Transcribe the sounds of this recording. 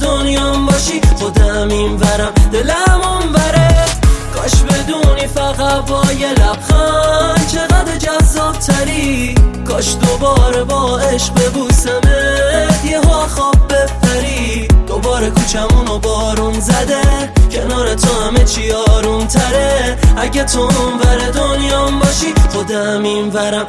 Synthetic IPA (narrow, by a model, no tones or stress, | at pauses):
d̪onjɒmbɒʃiχod̪æmimvæɾæmd̪elæmumvæɾeɡ̥ɒʃbe̞d̪uːnifæɣæbɒːjelæb̥xɔnt͡ʃʰeɣæd̪ed͡ʒæzːɒːb̚t̪ʰæɾiɡ̥ɒʃd̪obɒːɾebɒːeʃq̚bebuːsæmed̪jeɦoæχɒːb̚ːefæɾiː | d̪obɒːɾekʰuːt͡ʃʰæmunobɒːɾunzæd̪e | cʰenɒːɾet̪ʰohæmet͡ʃʰiɒːɾunt̪ʰæɾeʔæɟet̪ʰoumvæɾed̪onjɒmbɒːʃiχod̪e | minvæɾæm